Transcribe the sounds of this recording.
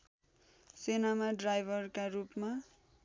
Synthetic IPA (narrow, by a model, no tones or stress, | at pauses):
senamaɖrajbʱʌrkarupma